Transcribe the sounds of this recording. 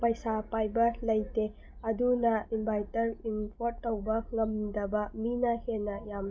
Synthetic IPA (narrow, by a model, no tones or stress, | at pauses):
pɐjsapajbɐlɐjte | ɐdunɐimbʱajtɐɾimpʰoɾtːɐwbɐŋɐmdɐbɐminɐhenːɐjam